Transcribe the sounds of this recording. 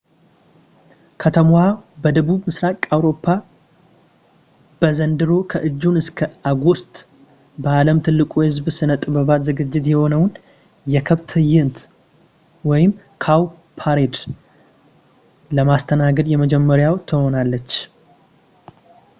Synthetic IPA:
kʰət̪ʰəmwabəd̪əβuβmɨsɾakʼawɾo̞pʰːa | b̥əzənd̪ɨɾo̞kʰəʔɨd͡ʒːunɨskʰəaɡo̞st̪ʼ | bəaləmt̪ʰɨlːɨkʼuhɨzbsɨnət̪ʼːɨbəβat̪zɨɡɨd͡ʒːɪt̪jɛho̞nəwn | jɛkʰəβt̪ʰɨjɪnt̪ | wɔjɪm | kʰaw | pʰaɾed̪ | ləmast̪ʰənaɡəd̪jɛməd͡ʒɛmːəɾjawt̪ʰɨho̞nalːət͡ʃː

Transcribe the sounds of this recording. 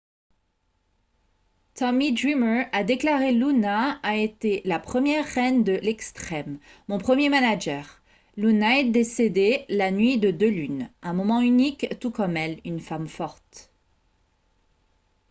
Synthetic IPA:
t̪ɔmid̪ʁimə˞ad̪eklaʁelunaːet̪elapχəmjɛʁːɛnd̪əlɛkst̪χɛmː | ɔ̃pχəmjemanaʒɛːʁ | lunaɛd̪esed̪elanɥid̪əd̪ølynɛ̃mɔmɑ̃ynikt̪ukɔmɛlynfamfɔʁt̪

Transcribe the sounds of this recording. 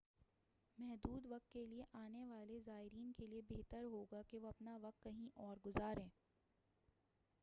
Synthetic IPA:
mɛɦd̪uːd̪ʋɐq̚t̪̚kelieʔaːneʋaːlezaːɪɾiːnkeliebeɦt̪əɾɦoːɡakeʋoɐpnaʋɐq̚t̪kɐɦĩʔɔːɾɡʊzaːɾẽː

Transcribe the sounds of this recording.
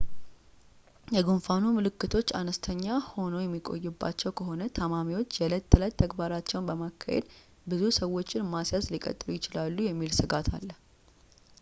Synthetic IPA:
jɛɡonfanumɨlɨkːɨt̪ʰo̞t͡ʃːanəst̪ʰəɲːaho̞no̞jɛmːikʼo̞̰jːɪbːa̰t͡ʃːɛwkʰəɦo̞nət̪ʰəmamiwo̞t͡ʃːjɛlət̪ʰːələt̪ʰːəɡbaɾat͡ʃːɛwnbəmakʰːa̰hḛd̪ | bɨzusəwːo̞t͡ʃːɪnmasjaslikʼə̰t̪ʼːɨlujɪt͡ʃɪlalːujɛmːilsɨɡat̪ʰa̰lːə

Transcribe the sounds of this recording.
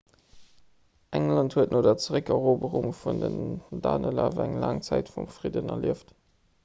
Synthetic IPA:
ʔæŋlɑnthuətnʔoːdɐt͡səʁəkɛʁoːbəʁuŋfundənda̰ːnəlavɐæŋlɑːŋt͡sæɪtfumfʁidənɐliəft

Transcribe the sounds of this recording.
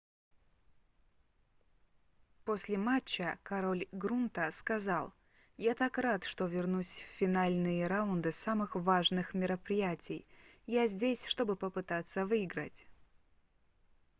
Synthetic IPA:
posʲlʲɪmat͡ɕːəkɐɾo̞lʲɡɾunt̪əskɐzalˠ | jat̪akrat̪ʂt̪o̞vʲɪrnusʲffʲːɪnalʲnɨjəɾaʊnd̪ɨsamɨxvaʐnɨxmʲɪɾəpɾʲɪjatʲɪj | jazʲdʲesʲʂt̪o̞bɨpəpɨt̪at̪sːəvɨɪɡɾə̰tʲ

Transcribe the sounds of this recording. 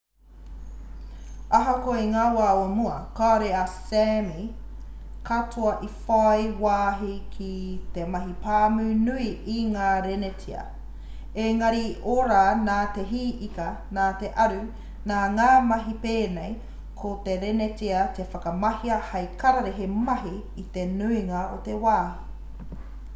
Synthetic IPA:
ɐɦokoeŋaːwaːomuɐ̰kaːɾeɐsemi | kʰatʰoɐʔifajwaːɦikʰit̪emɐɦipaːmʉnuiiŋaːɾenetʰiɐ̰ | eŋɐɾioɾaːnaːt̪e̞ɦiːʔikɐ | naːt̪eʔɐɾʉ | naːŋaːmɐɦipeːnej | kʰot̪eɾenet̪iɐt̪efɐkɐmɐhiɐhɐjkɐɾɐɾeɦemɐɦiː | t̪enuiŋɐo̰t̪ewaːhi

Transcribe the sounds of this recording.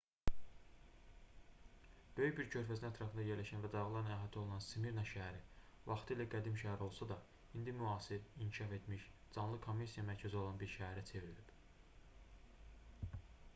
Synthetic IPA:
b̥øjycbiɾcʰø̞ɾfæznæt̪ʰɾɑfɯnd̪ɑje̞ɾlæʃænvæd̪ɑɣilˠɑɾnæɦæt̪ʰo̞lˠunɑnsimiɾnɑʃææɾi | vɑχt̪ʰɯilæɡæd̪imʃæɦæɾo̞lˠsɑd̪ɑ | ind̪imyɑːsiɾiɲcʰiʃɑfe̞t̪miʃd͡ʒɑnlˠɯkʰo̞mːisijɑmæɾcʰæzo̞lˠɑnbiɾʃææɾæt͡sʰe̞viɾilib̥

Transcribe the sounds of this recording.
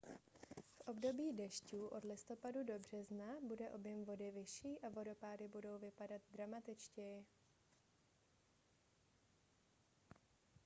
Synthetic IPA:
fʔo̞bdo̞biːdɛʃcuːʔo̞dlɪst̪o̞padudo̞br̝ɛznabudɛʔo̞bjɛmvo̞dɪvɪʃiːʔavo̞do̞paːɾɪbudo̞wvɪpadat̪̚d̪ɾamat̪ɪt͡ʃcɛjɪ

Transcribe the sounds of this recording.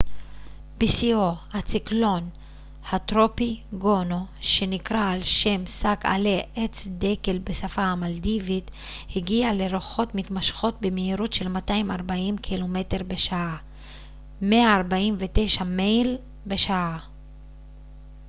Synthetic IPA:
b̥isiohat͡siklo̞n | hatʁo̞piɡo̞noʃe̞nikʁaːlʃe̞msaka̰leʔet͡sd̪eke̞lbesafamaldivit | hiɡiale̞ɾoχo̞tmitmaʃχo̞t̚bemeiʁotʃe̞lmataimaʁbaimkʰilo̞me̞te̞ʁbeʃaa | meaːʁbaimvete̞jʃamejl | be̞ʃaa

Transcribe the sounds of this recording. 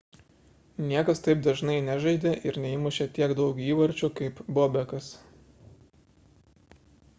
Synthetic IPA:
nʲiɛkɐst̪ɐɪpd̪ɐʒnɐɪnʲæʒɐɪd̪ʲeʔɪɾnʲɛɪmʊʃʲɛt̪ʲiɛkd̪ɒʊkiːʋɐɾʲˑt͡ʃʲuːkɐɪpboːbʲɛkɐs

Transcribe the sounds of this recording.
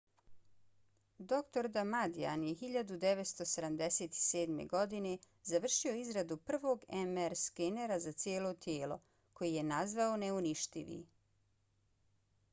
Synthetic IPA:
d̪o̞kt̪o̞ɾd̪amad̪ia̰njexiʎad̪ud̪e̞ʋet̪st̪o̞sed̪amd̪e̞seːt̪i̥se̞ːd̪mḛɡo̞d̪ine̞ | zaʋr̩ʃio̞izɾad̪upr̩ʋo̞ːɡemeɾskeneɾazat̪sjeːlo̞t̪jeːlˠo̞̰ | kʰo̞jije̞nazʋaoneuniʃt̪ḭʋḭ

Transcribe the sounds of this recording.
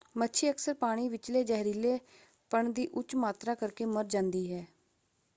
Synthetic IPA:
mətːʃʰiːəksəɾpaːɽ̃iːʋɪt͡ʃleːd͡ʒɛːɦɾiːleː | pəɳd̪iːʔʊt͡ʃmaːt̪ɾaːkəɾkeːməɾd͡ʒãːnd̪iːɦɛː

